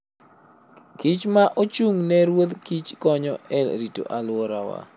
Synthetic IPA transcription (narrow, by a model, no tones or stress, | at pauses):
kit͡ʃmaʔot͡ʃuŋnɛɾwod̪kit͡ʃkɔɲɔɛɾito̰ʔalʊwɔɾawa̰